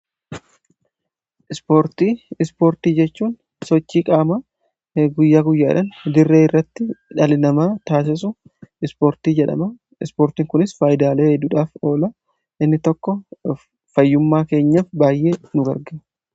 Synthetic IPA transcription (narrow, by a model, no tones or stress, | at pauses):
ʔɪspo̞ːɾt̪iːɪspo̞ːɾt̪iːd͡ʒɛt͡ʃːuːn | sɔt͡ʃːiːkʼaːmɐ | ɡʊjːaːɡʊjːaːᶑɐnd̪ɪrːeːɪrːɐt̪ːɪᶑɐlɪnɐmaːt̪aːs̬ɪs̬ʊ | ɪspoːɾt̪iːd͡ʒɛᶑɐ̰mɐ | ɪspoːɾt̪iːŋkʊnɪsfaːjɪd̪aːleːhɛd̪ːuːᶑaːfo̞ːlɐ | ʔɪnːɪt̪ɔkːɔ | fɐjːʊmːaːke̞ːɲːɐfbaːjʔe̞ːnʊɡɐ̰ɾɡe